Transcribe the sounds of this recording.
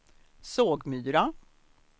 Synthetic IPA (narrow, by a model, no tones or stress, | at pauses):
soːɡmyːɾa